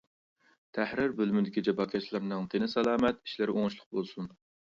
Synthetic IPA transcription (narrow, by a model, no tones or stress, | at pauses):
t̪ʰæhɾɪɾbølmɪd̪ɪkʲid͡ʒɑbɑkʲʰɛʃlˠɪɾnɨŋt̪ʰenɪsɛlˠɑːmɛt̪i̥ʃlɪɾʔoŋʊʃlˠʊq̚bolˠsun